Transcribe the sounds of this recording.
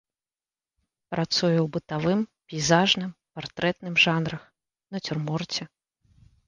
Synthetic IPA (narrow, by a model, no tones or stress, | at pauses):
pɾat̪sujɛwbɨt̪avɨmpʲijzaʐnɨmpart̪ɾɛt̪nɨmʐanɾɐx | nɐt͡sʲɪrmɔrt͡sʲɛ